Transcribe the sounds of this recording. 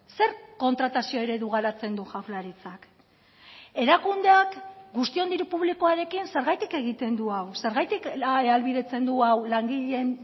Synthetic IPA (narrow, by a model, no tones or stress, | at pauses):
se̞ɾko̞nt̪ɾat̪asio̞eɾe̞ðuɣ̞aɾat͡se̞nd̪uxawlaɾit͡sak | e̞ɾakund̪e̞akɡust̪io̞nd̪iɾupuβlikoaɾe̞kinse̞ɾɣajt̪ike̞ɣ̞it̪e̞nd̪uawse̞ɾɣajt̪ikalβiðe̞t͡se̞nd̪uawlaŋɡiʎe̞n